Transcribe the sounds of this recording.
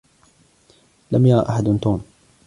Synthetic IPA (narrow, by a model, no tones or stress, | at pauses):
lamjaɾˤɑ̰ːʔaħad̪nt̪uːm